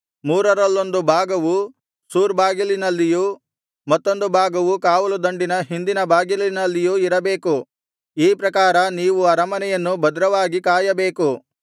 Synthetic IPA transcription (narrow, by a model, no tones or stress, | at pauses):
muːɾɐɾɐlːo̞nd̪ubʱaːɡɐʋu | suːɾbaːɡilinɐlːiju | mɐt̪ːo̞nd̪ubʱaːɡɐʋukaːʋɐlud̪ɐɳɖinɐɦind̪inɐbʱaːɡilinɐlːijuiɾɐbe̞ːku | iːpɾɐkaːɾɐniːʋuɐɾɐmɐnɛjɐnːubɐd̪ɾɐʋaːɡikaːjɐbe̞ːku